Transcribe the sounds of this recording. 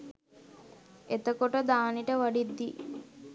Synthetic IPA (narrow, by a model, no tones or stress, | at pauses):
et̪əkoʈəd̪aːniʈəʋaɖid̪ːi